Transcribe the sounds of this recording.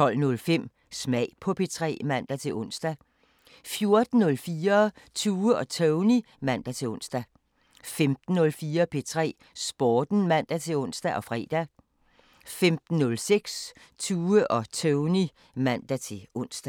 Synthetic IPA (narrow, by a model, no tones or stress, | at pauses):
t͡sʰɒ̽l̰nɔ̽lfem̰ | smɛɪ̰pʰɒ̽pʰe̝t͡sʰʁɛ̰ːmæn̰d̥æt͡sʰe̝ʔɔ̽n̰sd̥æ | fjo̝ɐd̥n̩ːɔ̽lfiːɐt͡sʰuːəɒ̽t͡sʰœʊni | mæn̰d̥æt͡sʰe̝ɔ̽n̰sd̥æ | femd̥n̩ːɔ̽lfiːɐpʰe̝t͡sʰʁɛ̰ː | sb̥ɒːd̥n̩mæn̰d̥æt͡sʰe̝lɔ̽n̰sd̥æʔɒ̽fʁɛ̰ːd̥æ | femd̥n̩ːɔ̽lseɡ̥s | t͡sʰuːəʔɒ̽t͡sʰøʊni | mæn̰d̥æt͡sʰe̝ɔn̰sd̥æ